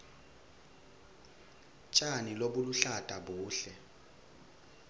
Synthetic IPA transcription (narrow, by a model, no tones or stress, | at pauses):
t͡ʃʼaniloɓuluɬatʼaɓuːɬɛ